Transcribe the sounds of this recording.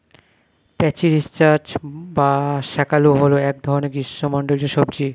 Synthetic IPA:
pɛt͡ɕiɾist͡ɕaɾt͡ɕbaʃɛkaluɦoloɛk̚d̪ʱɔɾoneɾɡiʃːomɔɳɖold͡ʑeʃɔbd͡ʑi

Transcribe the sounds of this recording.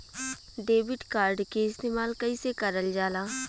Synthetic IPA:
ɖeːbɪʈkaːɾɖkeɪst̪eːmaːlkɐisekəɾəld͡ʒaːlaː

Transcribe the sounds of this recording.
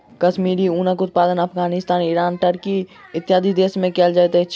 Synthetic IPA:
kɐʃmiːɾiuːnəkʊt̪̚paːd̪ənɐpʰɡaːnɪst̪aːniɾaːnʈəɾkiɪt̪jaːd̪ʱid̪eːsmẽkɛːld͡ʒaːjt̪ɛ

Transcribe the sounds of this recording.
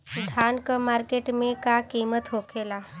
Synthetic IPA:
d̪ʱankəmaɾkeʈmẽkakimət̪ɦokʰela

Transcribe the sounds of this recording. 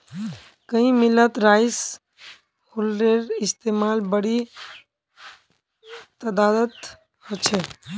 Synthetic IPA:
kəɦĩmilət̪ɾajs | holɾeɾɪst̪emalbəɽi | t̪əd̪ad̪ət̪ | hot͡ʃʰɛ

